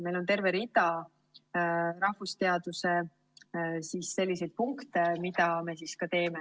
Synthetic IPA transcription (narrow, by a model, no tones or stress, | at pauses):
me̞jlo̞nt̪e̞rve̞ɾid̪ɑ | ɾɑhvust̪e̞ɑd̪̥use̞ | siːsːe̞lʲːisejd̪̥̚puŋkt̪emid̪̥ɑme̞siskɑt̪e̞ːme̞